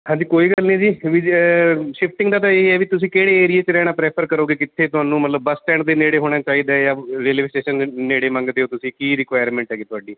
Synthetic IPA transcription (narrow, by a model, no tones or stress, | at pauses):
hãːɲd͡ʒiːkoːiːɡəlnĩːd͡ʒiːʋi | ʃɪpʰʈɪ̃ŋɡd̪aːt̪aeːiɛːʋiːt̪ʊsĩːkeːɽeːeːɾieːt͡ʃɾɛːɽ̃aːpɾɛːpʰəɾkəɾoːɡeːkɪt̪ʰːeːt̪ʊaːnũːmət̪ləbːəsʈɛ̃ːɳd̪eːneːɽeːɦoːɽ̃aːt͡ʃaːiːd̪aːjaːɾeːleːsʈeːʃənneːɽeːmə̃ŋɡd̪eːoːt̪ʊsĩːkiːɾɪkʋaːjəɾmɛ̃ːɳʈɦɛːɡeːt̪ʊaːɖiː